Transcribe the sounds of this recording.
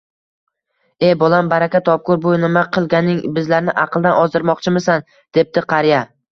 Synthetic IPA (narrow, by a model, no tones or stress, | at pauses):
e̞bolˠambaɾakʲat̪ʰɒp̚kʊɾbʊnɪmaqʰɨlˠɡʲanɪŋbɪzlaɾnɪʔɑqʰɨlˠd̪anɒzd̪ɪɾmɒqt͡ʃʰɪmɪsan | d̪̥e̞p̚t̪ɪqʰɑɾja